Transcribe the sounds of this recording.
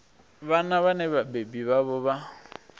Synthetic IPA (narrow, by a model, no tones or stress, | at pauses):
βanaβaneβabebiβaβʊβa